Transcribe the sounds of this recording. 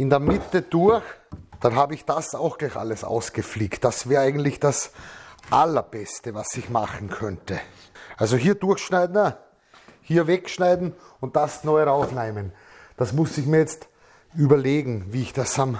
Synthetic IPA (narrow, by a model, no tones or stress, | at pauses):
ɪndeːɐmɪtəd̥ʊɐxd̥anɦaːbəɪçd̥asaʊxɡ̥laɪçʔa̰ləsa̰ʊsɡ̥əfliːktd̥asv̥ɛːɐaɪɡən̩tlɪçd̥asʔalɐb̥ɛstəvasɪçmaχn̩kʰœntə | ʔalzoɦiːɐdʊɐxʃnaɪdn̩ | hiːɐvɛkʃnaɪdn̩ | ʊnt̚d̥asnɔʏʁaʊflaɪmən | d̥asmʊsɪçmiːɐjɛt͡st | yːbɐleːɡŋ̩viːɪçd̥asam